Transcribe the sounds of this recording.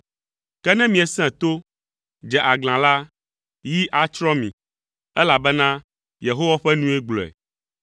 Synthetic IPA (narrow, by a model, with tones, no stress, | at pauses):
kɛ˦nɛ̃˦mĩ˨ɛ˨sɛ̃˦˨t̪o˦ | d͡ʒɛ˨ʔa˨ɡl̃ã˨la˦ | ji˦ʔa˨t͡ʃɾɔ˦mḭ̃˨ | ɛ˦la˨bɛ˦nã˦ | je˨ɦo˦wa˦ɸɛ˦nũ˦e˦ɡ͡blɔ˨ɛ̰˨